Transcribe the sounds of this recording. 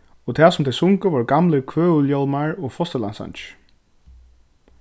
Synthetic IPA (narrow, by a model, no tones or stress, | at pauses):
ɔt̪ʰɛːsʊmt̪ʰɛsʊŋkəʋɔɹɡamlɪkʰvøːʏljɔlmaɹɔfɔst̪əla̰nsa̰nt͡ʃ